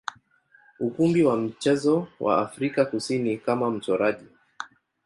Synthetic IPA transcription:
ukumbiwam̩t͡ʃɛzɔwʔa̰ːfɾikakusinikamam̩tɔɾaʄi

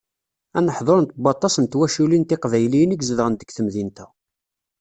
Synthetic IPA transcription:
ænəħðˤoɾənt̪bɑt̪ˤːɑsənt̪wæʃulint̪ɪqvæjlinəɡzəðəʁənt̪ə̥ɡθəmðint̪æ

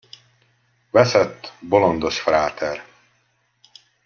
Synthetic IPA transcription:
vɛsɛt̪ːbo̞lond̪oʃfraːt̪ʰɛr

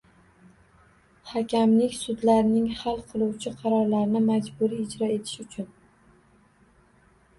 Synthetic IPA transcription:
hakʲʰamlɪkʲsʊd̪laɾnɪŋhalˠqʰɨlˠuwt͡ʃʰɪqʰɑɾɒɾlaɾɪnɪmad͡ʒbʊɾiːd͡ʒɾɒe̞t̪ʰɪ̥ʃʊt͡ʃʰʊn

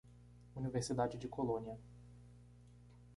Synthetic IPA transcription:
univeɾsid̪ad͡ʒɪd͡ʒɪkʰolõniɐ

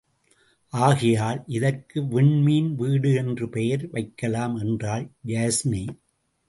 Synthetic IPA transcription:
ʔaːɣɪjaːlʔɪðɐrkɯʋɪɳmiːnʋiːɽɯɛndrɯpɛjɐɾʋɐɪkːɐlaːmɛndraːld͡ʒaːsni

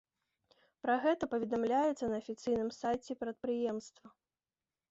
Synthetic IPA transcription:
pɾɐɣɛt̪ɐpɐvʲɛd̪amlʲajɛt̪sːɐnɐːfʲit̪sɨjnɨmsajt͡sʲɛpɾɐt̪̚pɾɨjɛmst̪vɐ

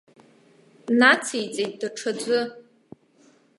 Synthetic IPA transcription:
nat͡sʰejt͡sʼejt̚ʼdaʈ͡ʂʰad͡zʷʊ

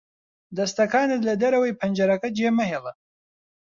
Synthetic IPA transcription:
d̪ɐst̪ɐkaːnɨt̪lɐd̪ɐɾɐwɐjpʰɐnd͡ʒɐɾɐkɐd͡ʒeːmɐɦelɐ

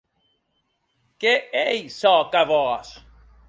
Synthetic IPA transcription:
keejsɔkavɔas

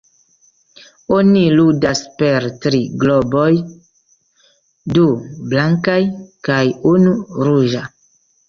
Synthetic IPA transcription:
oniludaspe̞ɾtɾiɡlo̞bo̞j | dublaŋkajkajunuɾuʒa

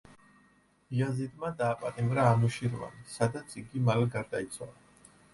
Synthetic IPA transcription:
iazid̪mad̪aːpʼat̪ʼimvɾaːmuʃiɾva̰nsad̪at̪sʰiɡimalɛɡaɾd̪ait̪sʰwa̰lˠa

